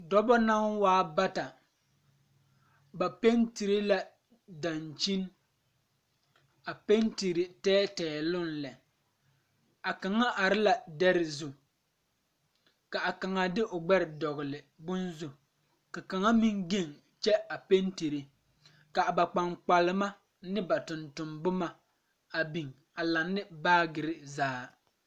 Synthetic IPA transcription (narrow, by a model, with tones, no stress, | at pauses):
dɔ˦bɔ˦na˦ŋwaː˦ba˦ta˨ | ba˨pe˦nti˨ɾi˦la˨ | da˨nt͡ʃi˦n | a˨pe˦nti˨ɾi˨tɛː˦tɛː˨lʊ˦nlɛ˨ | a˨ka˨ŋa˦ʔa˨ɾɪ˦la˨dɛ˦ɾɪ˨zu˦ | ka˨a˨ka˨ŋa˦dɪ˦ʔʊ˨ɡ͡bɛ˦ɾɪ˨dɔ˨ɣɪ˨lɪ˨ | bʊ˦nzu˨ | ka˨ka˨ŋa˦mi˦ŋɡe˦˨ŋ | t͡ʃɛ˦a˨pe˦nti˨ɾi˨ | ka˨ba˨k͡pa˨ŋk͡pa˨lɪ˦ma˦ | nɪ˦ba˨tʊ˨ntʊ˨mbʊ˦ma˨ | a˨bi˨ŋ | a˨la˨nːɪ˦baː˦ɡɪ˨ɾɪ˦zaː˦